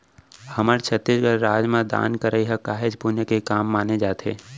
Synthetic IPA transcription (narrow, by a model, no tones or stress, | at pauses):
hɐməɾt͡ʃʰət̪ːisɡəɾɾaːd͡ʒmãd̪a̰ːnkəɾəiɦɛkaːɦed͡ʒbunjekekaːmːaːned͡ʒaːt̪ʰeː